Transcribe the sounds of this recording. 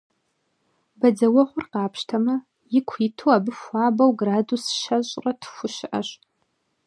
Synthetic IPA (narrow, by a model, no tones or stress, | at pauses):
bɐd͡zɐwɐʁʷʊrqɑːpʃtʰɐmɐ | jɪkʷʰiːtʰuwaːbɨfʷaːbɐwɡraːdusʃɐɕʼrɐtʰxʷʊʃʔɐ̰ɕ